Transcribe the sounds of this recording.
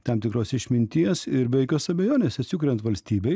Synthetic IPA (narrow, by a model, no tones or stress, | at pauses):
t̪ɐmt̪ʲɪkɾoːsɪʃʲmʲɪnʲt̪ʲiɛsɪɾʋʲɛɪkʲoːsɐbʲɛjoːnʲeːsʲɐt̪ʲsʲɪkʊɾʲɛnt̪ʋɐlʲsʲt̪ʲiːbʲɛɪ